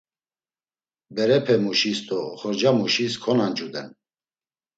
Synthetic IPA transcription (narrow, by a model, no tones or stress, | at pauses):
bɛɾɛpʰɛmuʃist̪ʼɔχɔɾd͡ʒamuʃiskʰɔnand͡ʒud̪ɛn